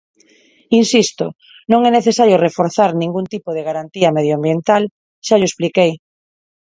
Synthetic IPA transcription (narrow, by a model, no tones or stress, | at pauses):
insist̪o̰ | nõŋɛneθesaɾjorefoɾθaɾnĩŋɡunt̪ipoðeɣaɾant̪iɐmeð̞joambjent̪al | ʃaʎoesplikej